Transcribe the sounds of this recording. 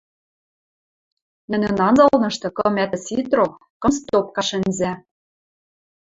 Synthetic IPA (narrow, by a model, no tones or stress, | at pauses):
nɘ̆nɘ̆nɑnzɤ̆lnɤ̆ʃt̪ɤ̆kɤ̆mæt̪ɘ̆sit̪ro | kɤ̆mst̪op̚kɑʃɘ̆nzæ